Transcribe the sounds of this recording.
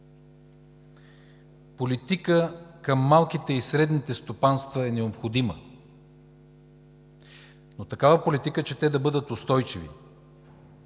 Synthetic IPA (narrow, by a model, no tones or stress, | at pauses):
polit̪ikəkəmːalˠk̟it̪ɛisɾɛd̪nit̪ɛst̪opanst̪vəɛnɛopxod̪imə | not̪ɐkavəpolit̪ikət͡ʃɛt̪ɛd̪ɐbɤd̪ət̪ost̪ɔjt͡ʃivḭ